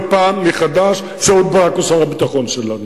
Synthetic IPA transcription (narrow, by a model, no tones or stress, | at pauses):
paːmːiχad̪aʃ | feod̪̚baakosaʁabit̪aχo̞nʃelanu